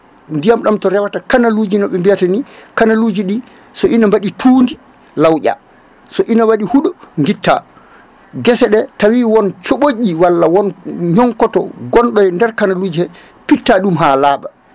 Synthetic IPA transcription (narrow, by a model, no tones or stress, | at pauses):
ndijamɗamtɔɾɛwatakanalud͡ʒinɔɓɛmbijatanikanalud͡ʒiɗi | sɔʔinambaɗitʰuːndi | lawʔa̰ | sɔʔinawaɗihuɗɔŋɡitːa̰ | ɡɛsɛɗɛtawiːwɔnt͡ʃoɓoʄiwalːawɔnɲɔŋkɔtɔ̰ɡɔnɗɔjɛndɛɾkanaluːd͡ʒihɛ | pitːaɗumɦalaːba